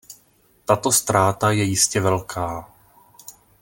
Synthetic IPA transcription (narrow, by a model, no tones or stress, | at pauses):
t̪at̪o̞st̪ɾaːt̪ajɛjɪscɛvɛlkʰaː